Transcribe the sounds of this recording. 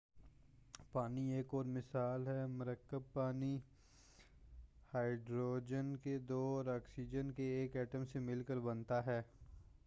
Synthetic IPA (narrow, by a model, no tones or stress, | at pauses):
paːnieːkɔːɾmɪsaːlɦɛmʊɾəkːəb̚paːni | haːɪɖɾoːd͡ʒənked̪oːɾaːksiːd͡ʒənkeeːkɛːʈəmsemɪlkəɾbɐnt̪aɦɛː